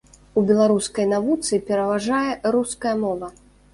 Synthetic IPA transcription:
ubʲɛlˠaɾuskɐjnavut̪sɨpʲɛɾɐvaʐajɛɾuskɐjɐmɔvɐ

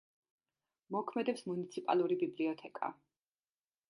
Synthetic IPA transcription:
mɔkʰmɛd̪ɛpsmunit̪sʰipʼa̰lˠuɾibibliɔt̪ʰɛkʼa̰

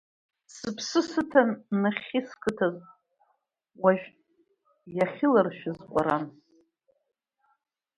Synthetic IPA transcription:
sɨpʰsɨsɨtʰanːɨχʲɪskʰʼɨtʰaz | waʒᶣ | jaχʲɪlarʃᶣɪzqʷʼaɾan

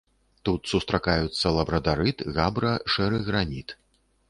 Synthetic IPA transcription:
t̪ut̪sust̪ɾakajut̪sːɐlˠɐbɾɐd̪aɾɨt̪ɣabɾɐʂɛɾɨɣɾanʲit̪

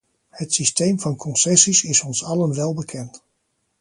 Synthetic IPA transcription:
hətsistejmvɑnkʰɔnsɛsisɪsɔnsɑlənʋɛlˠbəkʰɛnt

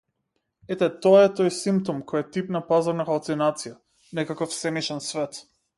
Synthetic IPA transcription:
ɛt̪ɛt̪ɔaɛt̪ɔjsimp̚t̪ɔmkɔjat̪ipnapazaɾnaxalˠt̪sinat̪sija | nɛkakɔfsɛmiʃɛnsvɛt̪

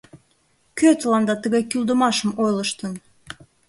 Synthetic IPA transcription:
køt̪əlɑnd̪ɑt̪əɣɑjkyld̪ə̆mɑʃə̆mojlɤ̆ʃt̪ə̆n

